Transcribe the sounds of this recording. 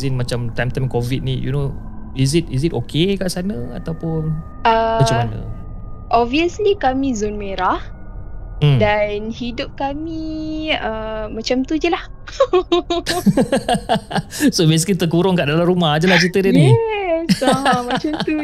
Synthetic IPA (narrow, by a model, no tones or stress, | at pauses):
zinmat͡ʃamt̪amt̪amkovit̚nijṵno | izit̚izitokekaʔsanəa̰t̪awpʊn | ət͡ʃaanə̰ | ʔɔviəslikamĩzonmeɾah̩ | danhidʊp̚kamiəmat͡ʃamt̪ud͡ʒəlah | sobes̬kit̪əkuɾɔŋkaʔdalamɾumahd͡ʒəlaht͡ʃit̪ədənisaɦãmat͡ʃamt̪u